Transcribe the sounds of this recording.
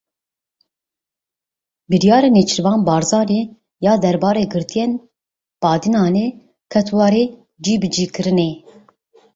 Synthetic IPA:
bɨɾijɑːɾenet͡ʃʰɨɾvɑːnbɑːɾzɑːɾe | jɑːd̪ɛɾbɑːɾeːɡɨɾt̪ʰijeːn | bɑːd̪inɑːne | kʰɛt̪ʰwɑɾeː | d͡ʒiːbɨd͡ʒiːkɨɾɨne

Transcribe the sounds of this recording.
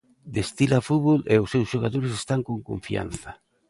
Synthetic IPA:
d̪est̪ilafuβoleʊsewsʃoɣaðoɾs̬est̪aŋkoŋko̰ɱfia̰nθɐ

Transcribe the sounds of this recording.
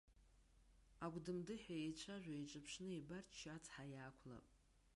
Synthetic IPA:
aɡʷʼdɨmdɨħajet͡ʃʷʰaʒᶣʷait͡ʃʷʼɨpʰʂnɨebartʰt͡ʃʰat͡sʰħajaːkʷʰla̰pʼ

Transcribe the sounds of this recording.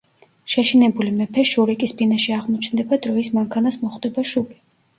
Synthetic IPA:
ʃɛʃinɛbulimɛpʰɛʃuɾikʼisbinaʃiaʁmɔt͡ʃʰnd̪ɛbad̪ɾɔismaŋkʰanasmɔχd̪ɛbaʃubi

